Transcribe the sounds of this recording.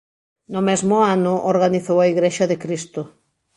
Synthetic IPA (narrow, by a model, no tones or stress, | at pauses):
nʊmɛzmʊanʊʔoɾɣaniθowaiɣɾeʃɐðɪkɾist̪ʊ